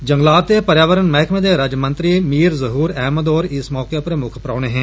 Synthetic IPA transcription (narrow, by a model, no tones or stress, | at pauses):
d͡ʒə̃ŋɡlaːt̪eːpəɾjaːʋəɾənmɛɦɪkʰmẽːd̪eːɾəd͡ʒmə̃nt̪ɾiːmiːɾzəɦuːɾɛːməd̪ɔːɾɪsmɔːkepəɾmʊkʰpɾaːɽ̃eːɦɛ̃ː